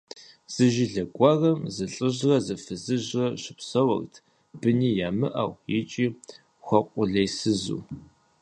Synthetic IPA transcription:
z̥ɨʒɪɮɐɡʷʼɑrɐmzɨɬʼəʑrɐzɨfɨzɨʑrɐɕɪpsɐwɐ̰rtʰ | b̥ɨniːjaːmɨʔɐwjɪt͡ʃʼiː | xʷɔqʷʼʊɮɐjsɨzṵː

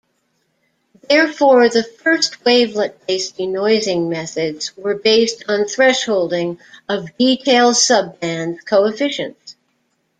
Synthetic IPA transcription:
ðɛɹfɔɹðɨfɜ˞st̚weɪvlət̚b̥eɪstinɔɪzɪ̃ŋmɛθɨdzwə˞beɪstn̩θɹɛʃhoʊlˠdɪ̃ŋʌvditʰeɪlˠd̥sʌbæ̃ndz̥kʰoʊɨfɪʃɨ̰̃nts

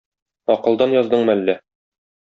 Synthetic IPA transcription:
ɒqɤ̆lˠd̪ɑnjɒzd̪ɤɴmælːæ

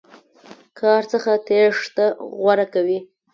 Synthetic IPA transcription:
kʰɑɾt͡səxat̪eʂt̪aɣwaɾakawi

